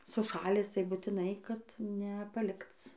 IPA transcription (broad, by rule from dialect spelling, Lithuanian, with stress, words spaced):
sʊˈʃɑːlʲæːs tɐɪ bʊtʲɪˈnɐɪ kɐt nʲɛ pɐˈlʲɪkt͡s